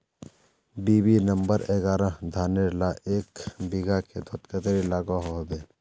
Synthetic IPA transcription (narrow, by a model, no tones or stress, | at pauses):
biːbinɐmbəɾeːɡaːɾãd̪ʱaːneɾlaʔeːkbiɡakʰed̪ʱot̪kət̪ɾilaːɡaɦoɦd̪e